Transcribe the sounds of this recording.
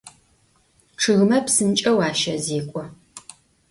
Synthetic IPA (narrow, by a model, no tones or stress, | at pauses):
ʈ͡ʂʰɨɣmɐpsɨnt͡ʃʼɐwaːʃɐzeːkʷʼɔ